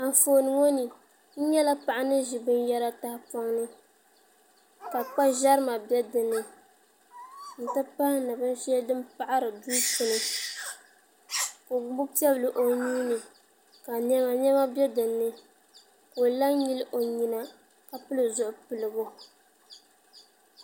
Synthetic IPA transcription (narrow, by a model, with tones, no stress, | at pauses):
a˨ɱ˨foː˨nɨ˨ŋo˦nɨ˨ | n̩˦ɲɛ˦la˦pa˨ʔa˦nɨ˦ʒi˨bɨ˦njɛ˦ɾa˦ta˦hɪ˦pɔ˦ŋnɨ˦ | ka˨k͡pa˦ʒa˦ɾɨ˦ma˨bjɛ˦dɨ˨nːɨ˦ | n̩˨tɨ˦pa˦hnɨ˨bɨ˦n˦ʃɛ˦dɨ˦mpa˦ʔa˦ɾɨ˨duː˦pɨ˨nɨ˨ | ko˨˦bʊ˦pi˦ɛ˦blɨ˨ʔo˨ɲiː˦nɨ˨ | ka˨ɲɛ˦ma˨ɲɛ˦ma˦bjɛ˦dɨ˨nːɨ˦ | ko˨la˦ɲi˦lɨ˦ʔo˨ɲi˨na˦ | ka˨pɨ˦lɨ˨zʊ˨ʔʊ˨pɨ˨lɨ˨bʊ˦